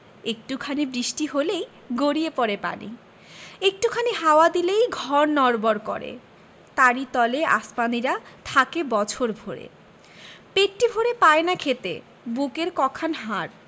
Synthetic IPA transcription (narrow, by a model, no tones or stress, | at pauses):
ek̚ʈukʰanibɾiʃʈiɦolej | ɡoɾiepɔɾepa̰nḭ | ek̚ʈukʰaniɦaoad̪ilejɡʱɔɾnɔɾboɾkɔ̰ɾḛ | t̪aɾit̪ɔleʔa̰spaniɾat̪ʰakebɔt͡ɕʰoɾbʱoɾḛ | pekʈibʱoɾepaenakʰet̪ḛ | bukeɾkɔkʰanɦaɾ